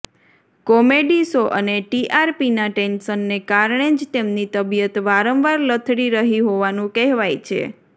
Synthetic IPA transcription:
kɔmeɖisoʔəneʈiʔaɾpinaʈensənːekaɾɳ̃ed͡ʒt̪emnit̪əbijət̪ʋaɾə̃mʋaɾlət̪ʰɽiɾəɦiɦoʋanũkɛɦʋajt͡ʃʰḛ

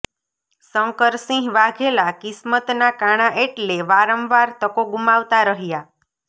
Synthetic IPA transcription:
səŋkəɾsĩɦʋaɡʱelakɪsmət̪nakaɽ̃aʔeʈleʋaɾəmʋaɾt̪əkoɡumaʋt̪aɾəɦja

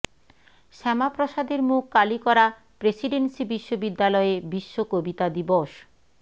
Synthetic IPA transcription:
ʃɛmapɾoʃad̪eɾmukːalikɔɾa | pɾesiɖensibiʃːobid̪ːalɔebiʃːokobit̪ad̪iboʃ

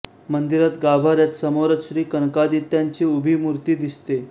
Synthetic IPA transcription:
mənd̪iɾat̪ɡabʱaɾjat̪səmoɾət̪ɕɾiːkəɳkad̪it̪jaɲt͡ɕiːubʱiːmuɾt̪iːd̪ist̪e

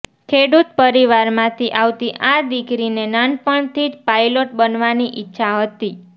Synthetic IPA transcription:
kʰeɽut̪̚pəɾiʋaɾmãt̪ʰiʔaʋt̪iʔad̪ikɾinenanpəɳt̪ʰid͡ʒpajloʈbənʋaniʔɪtːʃʰaɦət̪i

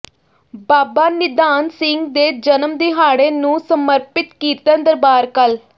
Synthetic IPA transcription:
baːbaːnɪd̪aːnsɪŋɡd̪eːd͡ʒənəmd̪eːɦaːɽeːnũːsəməɾpɪt̪kiːt̪ãːnd̪əɾbaːɾkəl

